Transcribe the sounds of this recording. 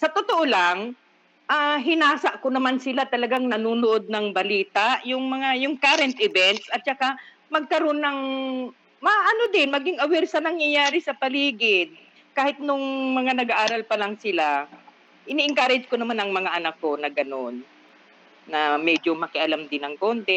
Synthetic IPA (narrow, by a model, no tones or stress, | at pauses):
sɐt̪ot̪oʔolaŋ | ʔaɦɪnaːsɐʔkonɐmansɪlat̪ɐlɐɡaŋnɐnuːnoʔo̞d̪̚nɐŋbɐliːt̪aʔjʊŋmɐŋajʊŋkaɾɛnt̪̚ʔɪbɛnt̪̚sʔɐt̪̚t͡ʃɐka | mɐɡ̚kɐɾo̞nːɐŋ | mɐʔɐno̞d̪ɪnmɐɡɪŋʔɐwɛɾsɐnɐŋjɐjaːɾɪsɐpɐliːɡɪd̪̚ | kaːhɪt̪̚nʊŋmɐŋanɐɡaʔaːɾɐlpɐlɐŋsɪla | ʔɪniːʔɪŋkaːɾɛd͡ʒkonɐmanʔɐŋmɐŋaʔɐnakːo̞nɐɡɐnonː | ɐmɛd͡ʒomɐkɪʔɐlamd̪ɪnɐŋko̞nt̪ɛ